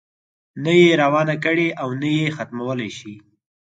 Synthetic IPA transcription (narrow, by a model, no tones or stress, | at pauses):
najeɾawɑnakəɽeʔawnajexat̪mawəlaʃi